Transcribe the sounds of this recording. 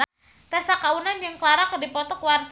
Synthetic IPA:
t̪ɛsakaunand͡ʒɨŋkəlaɾakərdipɔt̪ɔkwart̪

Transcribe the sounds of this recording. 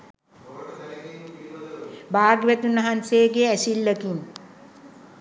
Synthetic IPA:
baːɡʋət̪unaɦanseːɡeæsilːəkin

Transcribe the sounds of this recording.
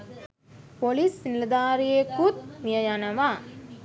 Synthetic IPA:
polisːiniləd̪aːɾijekut̪̚mijəjanəʋa

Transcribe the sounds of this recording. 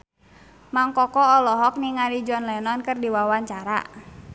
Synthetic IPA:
maŋkɔkɔɔlɔɦɔk̚niŋaɾid͡ʒɔnlɛnɔnkɨrdiwawaɲt͡ʃaɾa̰

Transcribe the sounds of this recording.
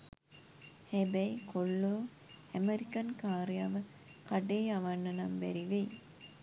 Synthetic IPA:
hæbɛikʰoɭːoː | æmeɾikɐnkaːɾijaːʋə | kɐɖeːɐʋɐnːɐnɐmbæ̰ɾiʋe

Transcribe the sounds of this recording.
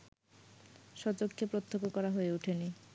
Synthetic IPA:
ʃɔt͡ɕokʰːepɾot̪ʰːokokɔɾaɦoeuʈʰeni

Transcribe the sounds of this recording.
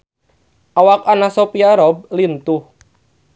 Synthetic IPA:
ʔawak̚anasopiaɾɔb̚lint̪uh

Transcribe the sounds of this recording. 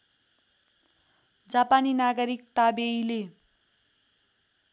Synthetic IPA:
d͡zapaninaɡʌɾik̚t̪abejle

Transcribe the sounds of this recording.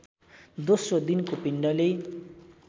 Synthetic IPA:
d̪osrod̪inkopiɳɖʌle

